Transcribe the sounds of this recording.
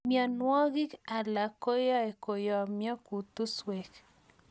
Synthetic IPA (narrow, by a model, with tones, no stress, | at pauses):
mjɔ˨nwɔ˦ɣɪ˦ka˨la˨ko˦jɔ˦e˨ko˨jɔ˨mjɔ˦ku˨t̪u˦swe˨k